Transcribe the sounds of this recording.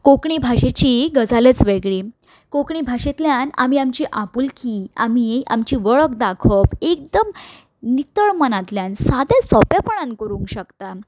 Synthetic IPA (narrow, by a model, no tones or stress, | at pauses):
kokɳibʱaɕet͡ɕiɡəd͡zalet͡sʋeɡɭiː | kokɳibʱaɕet̪ljana̰miamt͡ɕiʔapulkia̰mia̰mt͡ɕiːʋəɭəkd̪akʰəpek̚d̪əm | nit̪əɭmənat̪ljansad̪esɔpjapəɳãnkəɾũːŋkɕəkt̪a